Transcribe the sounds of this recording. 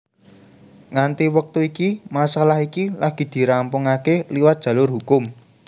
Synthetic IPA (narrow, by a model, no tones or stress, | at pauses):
ŋant̪iwək̚t̪uikimasalahikilaɡ̥i̤d̪̥i̤ɾampʊŋakeliwat̪̚d̥ʒ̥ä̤lʊrɦukʊm